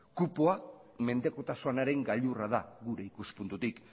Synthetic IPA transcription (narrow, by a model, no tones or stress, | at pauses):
kupoa | me̞nd̪e̞ko̞t̪asoanaɾe̞ŋɡaʎuraðaɣuɾe̞ikuspunt̪ut̪ik